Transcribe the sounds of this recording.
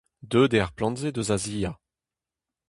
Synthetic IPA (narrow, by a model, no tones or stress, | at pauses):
d̪øːd̪eʁplɑ̃nzed̪øzaziːja